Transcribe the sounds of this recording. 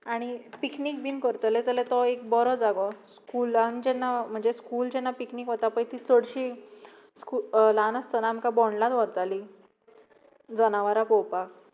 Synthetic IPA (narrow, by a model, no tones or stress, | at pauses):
aɽ̃ipiknikbinkəɾt̪əled͡zalet̪ɔek̚bɔɾɔd͡zaɡɔskuland͡ʑɛnːam̤əɳd͡zeskuːld͡ʑɛnːapikniːkʋɔt̪apə̃jt̪it͡səɽɕi | skulanəst̪ənaːm̤kabɔɳɖlat̪ʋəɾt̪ali | d͡zənaʋaɾapowpak